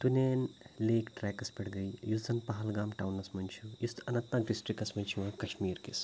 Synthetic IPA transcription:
t̪uneːnleːkʈɾɛːkɐspɐɽɡɐjjuzɐnpɐɦɐlɡaːmʈawnɐsmɐnt͡ʃʰujist̪ɐnɐ̃nt̪naːkɖisʈɾikɐsmɐnt͡ʃʰuʋãːkɐʃmiːɾkis

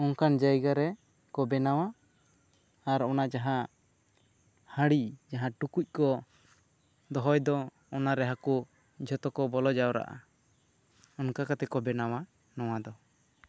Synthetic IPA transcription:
ɔŋkand͡ʒajɡaɾɛ | kɔbɛnaw̃a | ɾɔnad͡ʒaɦã | haɽid͡ʒaɦãʈukuc̚ˀkɔ | d̪ɔɦɔjd̪ɔ | ɔnaɾɛɦaku | d͡ʒʱɔt̪ɔkɔbɔlɔd͡ʒawɾa̰ʔa̰ | ɔnkakat̪ɛkɔbɛnawa | nɔwad̪ɔ

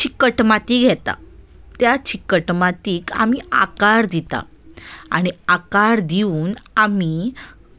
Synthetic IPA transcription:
t͡ɕikəʈmat̪iːɡʱɛt̪a̰ | t̪jat͡ɕikəʈmat̪iːka̰mia̰kaɾd̪it̪a̰ | a̰ɽ̃iakaɾd̪iuːnami

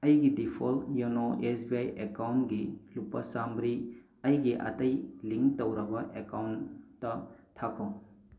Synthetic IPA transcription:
ɐjɡidipʰoljunoesbiajʔekawntɡilupːɐsambɾi | ɐjɡiʔɐ̰tɐjliŋktowɾɐbɐʔekawntːɐtʰːakʰo

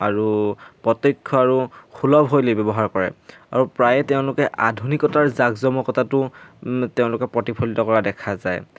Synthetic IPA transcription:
aɹupɹɔtokʰːɔaɹuxʰulɔbɦojlebɛbɔɦaɹkɔɹɛ̰ | a̰ɹupɹajɛteʊ̃lʊkɛʔadʱunikɔtaɹzaɡzɔmɔkɔtatʊteʊ̃lʊkɛpɹɔtipʰɔlitɔkɔɹadɛkʰazaj

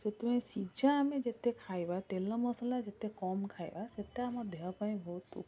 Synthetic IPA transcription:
set̪umẽsid͡ʒamẽd͡ʒet̪ekʰajbat̪elɔmɔsɔlad͡ʒet̪ekɔmkʰajbaset̪amɔd̪ʱeɔpaj̃bʱɔt̪ṵ

